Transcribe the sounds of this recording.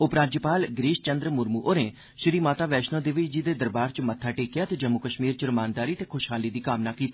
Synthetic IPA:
ʊpɾaːd͡ʒəpaːlɡɾiːʃt͡ʃənd̪ɾəmʊɾmuːʔoːneː | ʃɾiːmaːt̪aːʋɛːʃnõːd̪eːʋɪd͡ʒiːd̪eːd̪əɾbaːɾt͡ʃmət̪ʰːaːʈeːkɪjaːt̪eːd͡ʒəmːʊkəʃmiːɾt͡ʃəɾəmaːnd̪aːɾiːt̪eːkʰʊʃɦaːliːd̪iːkaːmnaːkiːt̪iː

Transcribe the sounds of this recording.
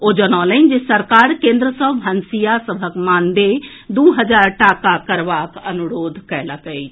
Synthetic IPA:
od͡ʒənalənd͡ʒesəɾkaɾkẽnd̪ɾəsəbʱənsijasəbʱəkmand̪e | d̪uɦəd͡ʒaɾʈakakəɾbakənuɾod̪ʱkɛləkəjt͡ʃʰ

